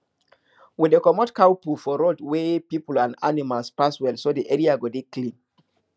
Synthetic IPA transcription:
widəkɔmɔtkawpufɔɹodwepipulãnda̰nimalspaswɛlsodiʔɛɹiaɡodeklĩn

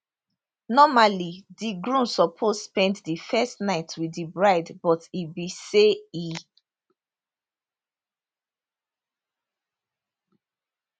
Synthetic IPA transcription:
nɔmalidiɡɹũnsɔpʰozspɛ̃nddifɛstnaɪtʰwidibɹaɪdbɔtibisei

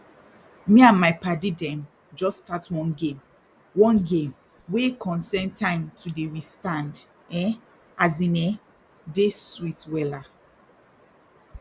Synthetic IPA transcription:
mĩãnmaɪpadidɛ̃m | d͡ʒɔstatwɔ̃nɡẽm | wɔ̃nɡẽm | wekʰɔ̃nsɛntʰãɪ̃mtʰudeɹistãnd | ɛ | azĩnɛ | deswitwɛla

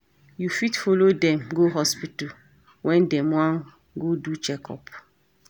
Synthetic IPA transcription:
jufitfolodɛ̃mɡoɦɔspitu | wʔɛ̃ndɛ̃mwãn | ɡodut͡ʃɛkɔ̰p

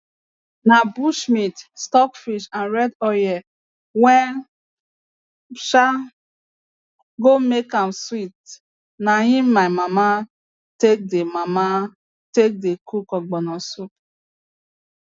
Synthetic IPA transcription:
nabuʃmitstɔkfiʃãnɾɛdɔjɛ | wɛn | ʃa | ɡomekamswit | naɦĩmːaɪmama | tek̚demama | tek̚dekʰukɔɡ͡bɔnɔsup

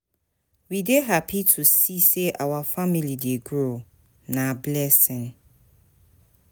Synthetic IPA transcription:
wideɦapʰitʰusiseʔawafamilideɡɾo | nãblɛsɪ̃n

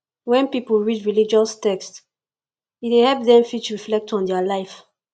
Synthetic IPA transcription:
wɛ̃npipəlɹidɹilid͡ʒɔstɛkst | itehɛlp̚ðɛ̃mfit͡ʃɹiflɛk̚tɔ̃ndɛəlaɪf

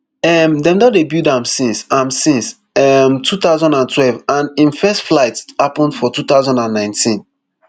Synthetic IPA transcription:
ɛmdɛ̃mdɔdebjudãmsĩnsãmsĩns | ɛmtʰut̪aʊzɔ̃ndãntʰwɛlvãnĩnfɛstflaɪthapə̃ndfɔtut̪aʊzɔ̃ndãnːãɪ̃ntʰĩn

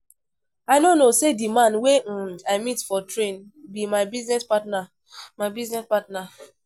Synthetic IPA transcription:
aɪnonosedimãnweaɪmitfɔtɹẽnbimaɪbiznɛspatna | mabiznɛspatna

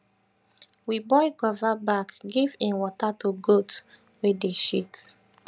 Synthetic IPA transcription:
wibɔɪɡɔvabakɡivĩnwɔtatuɡot | wedeʃit

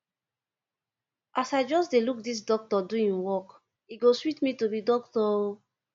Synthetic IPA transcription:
ʔasaɪd͡ʒɔsdeluk̚dis̬dɔk̚tɔduĩnwɔk | iɡoswitmitobidɔk̚tɔ

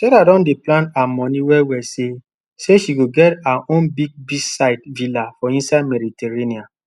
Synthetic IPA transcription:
tɛɾadɔ̃ndeplãntamɔ̃niwɛwɛse | seʃiɡoɡɛtaʔõnbiɡ̚bisaɪtvilafɔĩnsadmɛditɛɹenĩã

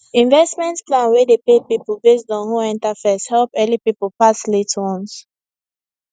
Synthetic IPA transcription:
ĩnvɛstmɛ̃ntplãnwɛdepepipəlbes̬dɔ̃nhuɛ̃ntafɛshɛlpɛlipipəlpaslitwɔ̃ns

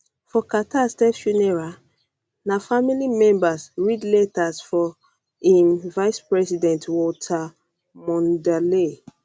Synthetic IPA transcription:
fɔkatastɛfʃunɛɹa | nafamilimɛ̃mbasɹidletasfɔ | ĩnvajspɹɛsidɛ̃ntwɔtʰa | mɔ̃ndale

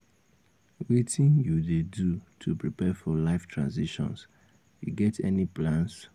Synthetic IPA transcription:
witĩnjudedutʰupɹipɛfɔlaɪftʰɹã̰nsiʃɔ̰̃ns | juɡɛtʰɛ̰niplãns

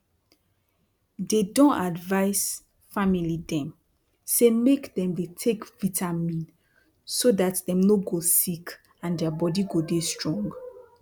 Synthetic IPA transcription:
dedɔ̃nadvaɪs | familidɛ̃m | semekdɛ̃mdetʰekvitʰamĩn | sodatdɛ̃mnoɡosik | ãndɛabɔdiɡodestɹɔ̃ŋɡ

